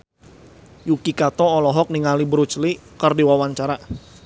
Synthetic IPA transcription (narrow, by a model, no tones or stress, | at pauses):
jukikat̪ɔːlɔɦɔk̚niŋalibəɾut͡ʃlikərdiwawaɲt͡ʃaɾa